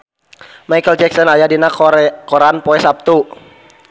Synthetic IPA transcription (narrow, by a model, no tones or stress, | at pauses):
majkəld͡ʒɛksɔnajadinakɔɾanpɔɛsap̚t̪u